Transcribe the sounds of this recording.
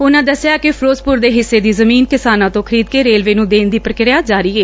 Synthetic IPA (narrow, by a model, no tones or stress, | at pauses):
ʊnãːd̪əsːɪjaːkɪpʰɾoːspʊɾd̪eːɦɪsːeːd̪iːzəmiːnkɪsaːnãːt̪õːkʰəɾiːd̪̚keːɾeːlʋeːnũːd̪eːnd̪iːpɾəkɪɾjaːd͡ʒaːɾiːeː